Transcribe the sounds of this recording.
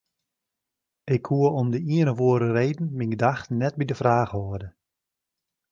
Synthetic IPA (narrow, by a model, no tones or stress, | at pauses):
ɪkhuəɔmdəiənəʋoəɾəreːdn̩miŋɡdaxtnɛt̚bidəfraːɣɦoədə